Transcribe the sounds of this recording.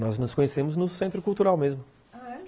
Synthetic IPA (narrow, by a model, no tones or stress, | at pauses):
nɔznʊskõɲesemʊznʊsẽnt̪ɾʊkulˠt̪uɾawmezmʊ